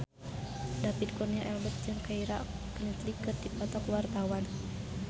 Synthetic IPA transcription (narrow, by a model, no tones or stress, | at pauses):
dapit̪̚kɔrniaʔɛlbət̪̚d͡ʒɨŋkaiɾaʔkənət̪likət̪̚dipɔt̪ɔkwart̪awan